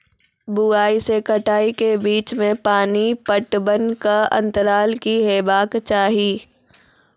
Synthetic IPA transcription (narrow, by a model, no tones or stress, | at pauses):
buaːisekɐʈʰaːikebiːt͡ʃmẽpaːnipəʈbənkaɐ̰̃nt̪əɾaːlkiɦeːbaːkt͡ʃaːɦiː